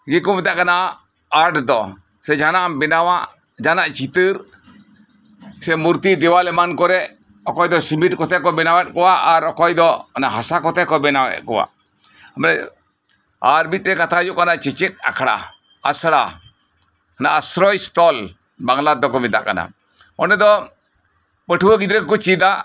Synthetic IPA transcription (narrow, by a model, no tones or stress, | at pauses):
ɡɛkɔmɛd̪aʔkana | aɾʈd̪ɔ | sɛd͡ʒanambɛnawaʔ | d͡ʒanaʔt͡ʃit̪ɨɾ | sɛmuɾt̪id̪ɛwalɛmankɔɾɛ | ɔkɔjd̪ɔsimiʈkɔt̪ʰɛkɔbɛnawɛt̪̚kɔwaʔaɾɔkɔjd̪ɔnaɦasakɔt̪ʰɛkɔbɛnawɛ̰ʔkɔwa̰ʔ | əmɾɛ | aɾbit̪̚ɾɛkat̪ʰajuʔkanaʔt͡ʃɛt͡ʃɛt̪̚a̰kʰɽa̰ | asɽa | anaʔasɾɔjst̪ɔl | baŋlad̪ːɔkɔmɛd̪aʔka̰na̰ | ɔnɛd̪ɔ | pəʈʰuwəɡid̪ɾɛkɔt͡ʃid̪a